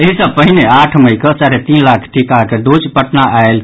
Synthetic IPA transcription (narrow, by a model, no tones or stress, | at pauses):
eɦisəb̚pəɦineaʈʰməjkəsaɾet̪inlakʰʈʰikakeɖot͡ʃpəʈnaʔael